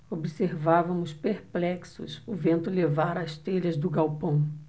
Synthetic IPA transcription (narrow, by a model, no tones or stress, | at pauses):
obiseɾvavɐmʊspeɾplɛksʊ̰sʊvẽnt̪ʊlevaɾɐst̪eʎɐzd̪ʊɡawpɐ̃w̃